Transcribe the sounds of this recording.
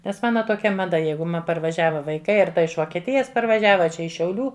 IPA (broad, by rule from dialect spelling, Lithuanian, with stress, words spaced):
nʲɛs ˈmɑːnɐ toːˈkʲɛ mɐˈdɐ ˈjɛɪɡʊ ˈmɐ pɐrʋɐˈʒʲæːʋɐ ʋɐɪˈkɐɪ ˈɐr ˈtɐ ɪʃ ʋoːkʲiɛˈtʲɪjɛs pɐrʋɐˈʒʲæːʋɐ ɐ ˈt͡ʃʲɛ ɪʃ ʃʲɛʊˈlʲuː